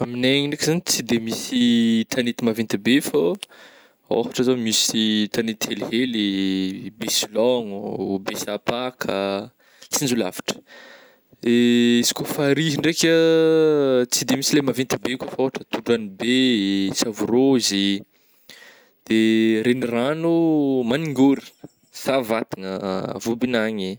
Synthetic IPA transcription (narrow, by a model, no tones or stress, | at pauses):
amineɲiɳɖ͡ʐekizanit͡sid̪emisit̪ʰanit̪imavint̪ibefo | o̰fḁʈ͡ʂəzamisit̪anit̪ielɦeli | besilɔŋbesapakʰə | t͡sind͡ʒula̰vḁʈ͡ʂə̥ | eisi̥kʲofaɾiɦiɳɖ͡ʐekʲə | t͡sid̪emisilemavent̪ibeukʲəfaoaʈ͡ʂət̪uɖ͡ʐanibesavuɾozi | d̪̥eɾeniranumaniŋɡoɾi̥ | savat̪iŋəvubinaɲi